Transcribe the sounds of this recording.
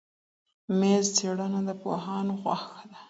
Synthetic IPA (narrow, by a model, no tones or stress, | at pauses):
mezt͡seɽənad̪əpo̰ɦɑnoɣwaxad̪a